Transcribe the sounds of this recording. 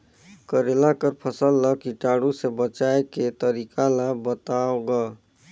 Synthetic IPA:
kəɾelakəɾpʰəsəlːəkiʈaɽusebət͡ʃajket̪əɾikʰalabət̪aoɡə

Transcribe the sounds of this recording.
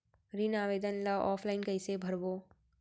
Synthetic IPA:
ɾinaːʋeːd̪ənlaʔɔːpʰlaɪnkɐɪsebʱɐɾboː

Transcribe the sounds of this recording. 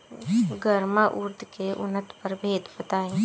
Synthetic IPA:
ɡəɾmaʔʊɾd̪ʱkeʔʊnət̪pəɾbʱeːd̪bət̪aːĩː

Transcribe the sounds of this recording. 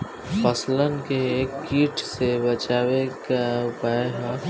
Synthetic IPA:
fəslənkeeːkiːʈsebɐt͡ʃaːwekaʊpaeɦ

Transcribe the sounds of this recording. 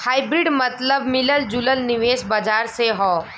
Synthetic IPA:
haːibɾɪɖmɐt̪ləbmɪləld͡ʒʊləlnɪʋeːsbad͡ʒaːɾseɦɔː

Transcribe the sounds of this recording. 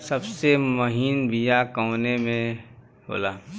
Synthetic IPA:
sɐbsemɐɦiːnbʱijakɔːnemẽ | ɦo̰ːlaː

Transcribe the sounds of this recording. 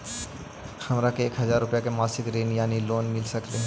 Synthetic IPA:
xɐmɾakeeːkɦɐzaːɾːʊpjakemaːsɪkɾeːnjaːniloːnmɪlsɐkleɦ

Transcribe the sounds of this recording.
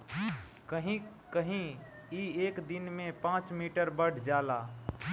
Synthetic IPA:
kəɦĩ | kəɦĩ | iekd̪inmẽpãt͡ʃmiʈəɾbəɽ̤ʰd͡ʒala

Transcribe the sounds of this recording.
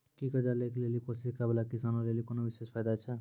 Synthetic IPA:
kikəd̪alekʰlelikosiskabelakisanolelikonoʋiʃespʰajd̪at͡ʃʰə

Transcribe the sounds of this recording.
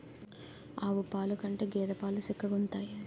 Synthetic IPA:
aːʋupaːlukɐɳʈeːɡɛːd̪ɐpaːlusikːɐɡunt̪aːji

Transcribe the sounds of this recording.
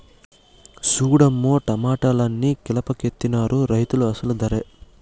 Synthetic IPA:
suːɽɐmːoːʈɐmaːʈalɐnːikilɐpɐket̪ːinaːɾuɾɐjt̪uluɐsɐlud̪ɐɾe

